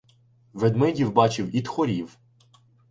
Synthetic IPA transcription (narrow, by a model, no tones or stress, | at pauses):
ʋed̪mɪdʲiwbɑt͡ʃɪwid̪xɔɾʲiw